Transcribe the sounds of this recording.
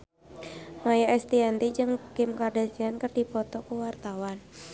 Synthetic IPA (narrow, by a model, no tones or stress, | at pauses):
majaɛst̪iant̪id͡ʒɨŋkɪmkardat͡ʃiankɨrdipɔt̪ɔkuwart̪awan